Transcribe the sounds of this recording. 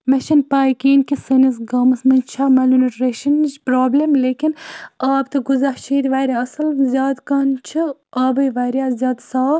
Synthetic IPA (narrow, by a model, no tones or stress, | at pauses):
mɐʃɐnpaːjkiːnkisɐnis̬ɡɐːmɐsmɐnt͡ʃʰamɐlunɐʈɾeːʃɐnt͡ʃpɾoːblɐmleːkinaːbt̪ɐɡuzaht͡ʃʰiːd̪ʲʋaːjɾʲaːɐsɐlzʲjaːd̪kaːnt͡ʃʰɨaːbɐjʋaːjɾʲjaːzjaːd̪saː